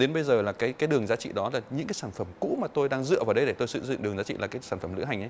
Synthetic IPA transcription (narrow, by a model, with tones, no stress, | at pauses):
ɗe˨˦nɓə˧jzəː˨˩laː˨˩kaː˨˦jkkaː˨˦jɗɨ˨˩əŋzaː˨˦t͡ɕḭ˧˨ɗɔ˨˦laː˨˩ɲɨ̰˧˥ŋkaː˨˦jsaː˧˩nfə˧˩mkṵ˧˥maː˨˩t̪o˧jɗaː˧ŋzɨ̰˧˨əvaː˨˩wɗə˧jɗe˧˩t̪o˧jsɨ̰˧˨zɨ̰˧˨ɨ˨˩əŋzaː˨˦t͡ɕḭ˧˨laː˨˩kaː˨˦jsaː˧˩nfə˧˩mlɨ̰˧˥ɦa˨˩jŋʔə˨˦j